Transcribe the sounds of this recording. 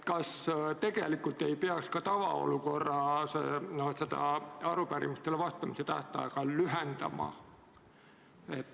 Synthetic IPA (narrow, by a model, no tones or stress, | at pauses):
kɑst̪e̞ɡ̥e̞̰likult̪ːe̞jpeɑkskɑt̪ɑvɑo̞̰luko̞rːɑsenot̪set̪ɑ̰ɑɾupæɾḭmist̪elevɑst̪ːˑɑmiset̪æ̰ht̪ɑ̰ekɑlyɦend̪̥ɑ̰mɑ̰ | e̞t̪ːˑ